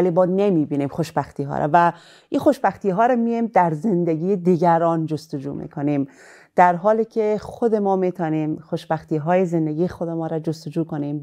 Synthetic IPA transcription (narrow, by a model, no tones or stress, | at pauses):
ælibɒːd̪nemiːbiːniːmxoʃbæxt̪ʰiːɦɒ̰ːɾʔɛ̰væ | ʔinxoʃbæxt̪iːɦɒːɾɛmijimd̪æɾzend̪eɡʲiːed̪iɡæɾɒːnd͡ʒost̪od͡ʒṵːmḭkʰonim | d̪̥æɾɦɒːliːcʰexod̪emɒːmit̪ʰɒːniːmxoʃbæxt̪ʰiːɦɒːjeze̞nd̪eɡiːjexod̪emɒːɾad͡ʒost̪od͡ʒuːkoniːm